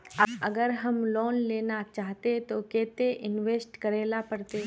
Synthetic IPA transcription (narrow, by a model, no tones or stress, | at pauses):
əɐɡəɾɦɐmlɔːnleːnat͡ʃaːɦt̪et̪okeːt̪eʔɪnʋeːsʈkɐɾeːlapɐɾt̪e